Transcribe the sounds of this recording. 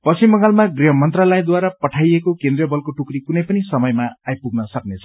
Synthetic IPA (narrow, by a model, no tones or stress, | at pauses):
pʌsimːʌŋalmaɡriɦʌmʌnt̪ralʌjd̪waɾapʌʈʰajekokend̪rjʌbʌlkoʈukɾikunʌjpʌnisʌmʌjmaajpuɡnʌsʌknet͡sʰʌ̥